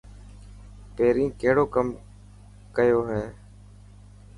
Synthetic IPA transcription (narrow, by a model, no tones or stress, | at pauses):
peːɾĩːkeɦɽoːkəm | kəjoːɦeː